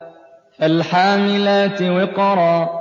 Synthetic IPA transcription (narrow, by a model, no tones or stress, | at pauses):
alħaːmɪlaːt̪ɪwɪqɑɾˤɑː